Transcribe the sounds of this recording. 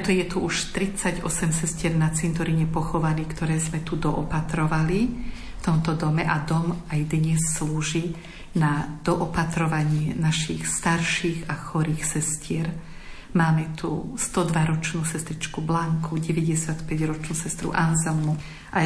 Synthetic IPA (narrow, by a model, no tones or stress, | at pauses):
t̪ɔjɛt̪uʔuʃt̪ɾit͡sːaɟɔsɛmsɛscɪɛɾnat͡sint̪ɔɾiɲɛpɔxɔʋanikt̪ɔɾɛːzmɛt̪ud̪ɔʔɔpat̪ɾɔʋali | ft̪ɔmt̪ɔd̪ɔmɛʔad̪ɔmajd̪ɲɛsːluːʒiː | nad̪̥ɔʔɔpat̪ɾɔʋaɲɪɛnaʃixst̪aɾʃiːɣaxɔɾiːxsɛscɪɛɾ | maːmɛt̪ṵst̪ɔd̪ʋaɾɔt͡ʃnuːsɛst̪ɾit͡ʃkublaŋkʰuɟɛʋɛɟɛsɪat̪pɛɟɾɔt͡ʃnuːsɛst̪ɾṵʔanzɛlmu | ʔa